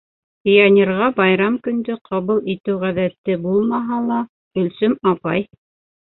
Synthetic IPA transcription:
pʲijanʲeɾʁɑbɑjɾɑmkɵ̆nd̪ɵqʰɑβɤlˠit̪ɘwʁæðæt̪ːɘbulˠmɑɦɑlˠɑ | ɵ̆lsɵmɑpɑj

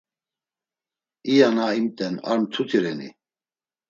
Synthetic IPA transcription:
ijanaimt̪ʼɛna̰ɾnt̪ʰut̪ʰiɾɛnḭ

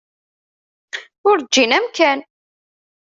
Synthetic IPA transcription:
ʊɾd͡ʒːinæmkæn

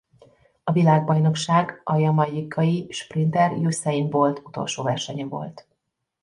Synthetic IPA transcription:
ɒvilaːɡ̚bɒjno̞kʃaːɡɒjɒmɒjikʰːɒjiʃprint̪ɛrjusɛinvo̞lt̪ʰut̪o̞̰lʃoːvɛrʃɛɲɛvo̞̰lt̪

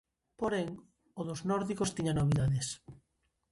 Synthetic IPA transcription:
poɾeŋ | oðoznɔɾðikost̪iɲanoβiðaðes

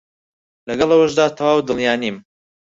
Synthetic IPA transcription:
lɐɡɐlˠɐwɐʒd̪aːt̪ʰɐwaːwd̪ɨlˠjaːniːm

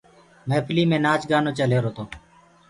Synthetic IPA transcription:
mẽːpʰliːmẽːnaːt͡ʃɡaːnõːt͡ʃəleːɾoːt̪oː

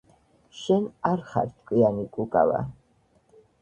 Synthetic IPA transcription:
ʃɛnaɾχa̰ɾt̪ʰʼkʼwianikʼukʼa̰va̰

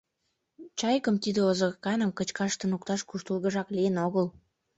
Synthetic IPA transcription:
t͡ɕɑjkəmt̪id̪eozokɑnəmkət͡ɕkɑʃt̪ə̆nukt̪ɑʃkuʃt̪əlɣə̆ʒɑklijenoɣəl

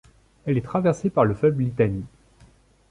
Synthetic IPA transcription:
ɛlɛt̪χavɛʁsepaʁləfœbllit̪ani

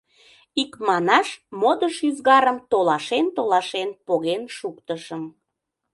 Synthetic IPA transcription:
ikmɑnɑʃmod̪əʃyzɣɑɾəmt̪olɑʃent̪olɑʃenpoɣenʃukt̪əʃəm

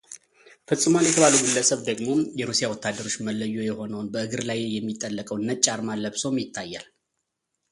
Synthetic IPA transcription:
fɨsʼːɨmanjɛt̪ʰəβaluɡulːəsəβd̪əɡmo̞jɛɾusijawɔt̪ʰːad̪ːəɾo̞t͡ʃːməlːəjːojɛho̞nəwnbəɨɡɨɾlajjɛmːit̪ʼːəlːəkʼəwnːət͡ʃʼːaɾmalːəβsəwmjɪt̪ʰːajːal

